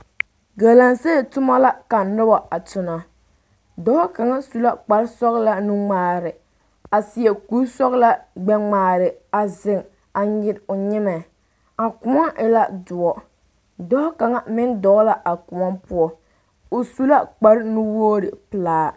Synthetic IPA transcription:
ɡa˨la˨nse˦˨tʊ˦ma˦la˦ka˨nʊ˦bɔ˨a˨tʊ˨na˨ | dɔː˦ka˨ŋa˦su˨la˦k͡pa˨˦ɾsɔ˦ɣla˦nu˦ŋ͡maː˨ɾɪ˨ | a˨sɪ˨ɛ˨ku˨˦sɔ˦ɣla˦ɡ͡bɛ˦ŋ͡maː˨ɾɪ˨a˨zɪ˨ŋ | a˨ɲɪ˨ɾʊ˨ɲɪ˦mɛ˨ | a˨kʊ˨mɔ˦ʔɪ˨la˦dʊ˨ɔ˨ | dɔː˦ka˨ŋa˦mɪ˦ndɔ˨˦la˦ʔa˨kʊ˨mɔ˦pʊ˦ɔ˦ | ʊ˨su˦la˦k͡pa˦ɾnu˦woː˦ɾɪ̰˨pɨ˨laː˦

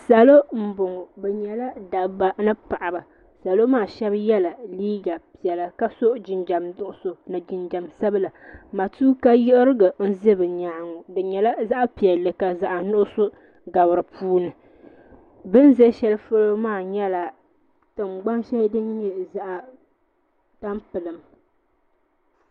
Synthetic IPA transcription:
sa˨lo˦m̩˦bʊ˨ŋɔ˨bɛ˨ɲɛ˨la˦da˨ba˦nɨ˦pa˨ʔa˨ba˨ | sa˨lo˦maː˦˨ʃɛ˦bjɛ˦la˨liː˦ɡa˨pi˨ɛ˨la˨ka˦so˦ʔd͡ʒɪ˨nd͡ʒa˨mdʊ˦ʔʊ˨so˨nɨ˨d͡ʒɪ˨nd͡ʒa˨msa˦bɨ˦la˨ma˨tuː˦ka˦jɪ˦ʔɪ˦ɾɨ˦ɡa˨n̩˦zɨ˦bɨ˨ɲa˨ŋɔ˨dɨ˨ɲɛ˨la˦za˦ʔa˦pi˨ɛ˨lːɨ˨ka˨za˨ʔa˨nʊ˦ʔʊ˦so˦ | ɡa˨bɨ˨ɾɨ˨puː˦nɨ˨ | bɨ˦n˦zɛ˦ʃɛ˦lɨ˦fo˦lo˦maː˦˨ɲɛ˦la˨ | tɨ˨mɡ͡ba˦nʃɛ˦ldɨ˦n˦ɲɛ˦za˦˨ʔa˨ | ta˦mpɨ˨lɨ˨m

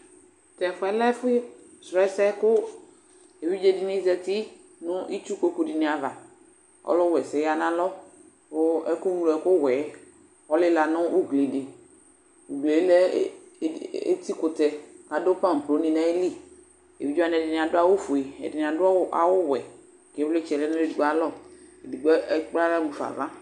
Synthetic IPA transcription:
t̪ɛ˨fɛ˦lɛ˦fi˦sɾɛ˦sɛ˦kʊ˦ | e˨vi˦d͡ʒe˦˨dɪ˨nĩ˦zɛ˧t̪i˦ | nʊ̃˦i˦t͡ʃu˦ko˦ku˦di˨ni˨a˨va˨ | ɔ̰˦lʊ˦wɛ˨sɛ˨ja˨nã˦lɔ˦ | ʊ˦ɛ˦ku˦nũ˦lɛ˨˦kʊ˦wɛ˨˦ | ɔ˦lɪ˦la˨nʊ̃˦u˦ɡli˨dɪ˨ | u˨ɡ͡ble˨e˦lɛ˦ | ḛ˦t̪i˦kʊ˨t̪ɛ˧ka˨do˦pã˦˨m˨plo˨˦nĩ˨nã˨e˦li˦˨ | e˨i˦d͡ʒo˦a˦˨nɛ˨di˨nĩ˨a˨dʊ˦a˦wo˦fu˨e˨ɛ̰˨di˨n˨a˨dʊ˦a̰˨wo˦wɛ˨ | ke˨˦le˦t͡ʃɛ˨lɛ˦nʊ̃˦le˦di˨ɡ͡ba˨lɔ˦˨e˨di˨ɡ͡bɔ˦ɛ˦k͡pla˦la˦mũ˨fa̰˨va˦

